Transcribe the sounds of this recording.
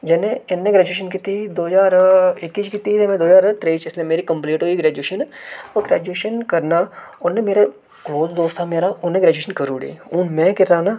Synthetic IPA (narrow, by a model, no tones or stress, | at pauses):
d͡ʒɛːneɪnːeɡɾɛːd͡ʒueːʃ̬ənkit̪ʰid̪oːd͡ʒaːɾɪkːiːt͡ʃkit̪it̪emẽd̪oːd͡ʒaːɾt̪ɾeit͡ʃɪslemeːɾikɐmpleːʈɦoːiɡɾɛːd͡ʒeːʃənoɡɾɛːd͡ʒuweːʃənkɐɾnaʊnnemeːɾa | kloːzd̪oːst̪ʰameːɾaʊnnẽɡɾɛːd͡ʒueːʃənkɐɾuːɽḛːũːmɛ̃ːkɪɾaːna